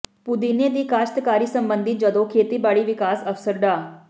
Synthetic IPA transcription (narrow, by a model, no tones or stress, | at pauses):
pʊd̪iːneːd̪iːkaːʃt̪kaːɾiːsəmbənd̪ɪd͡ʒəd̪õːkʰeːt̪iːbaːɭiːʋɪkaːsəfsəɾɖaː